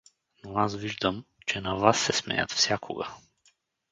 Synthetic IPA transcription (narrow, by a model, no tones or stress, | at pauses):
noasviʒd̪əmt͡ʃɛnavasːɛsmɛ̰jə̰t̪fsʲjakʰo̰ɡɐ̰